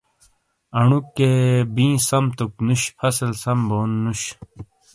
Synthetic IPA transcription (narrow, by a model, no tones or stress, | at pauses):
ɐɳukːebĩːsɐmt̪uknuɕpʰɐsɐlsɐmboːnːuɕ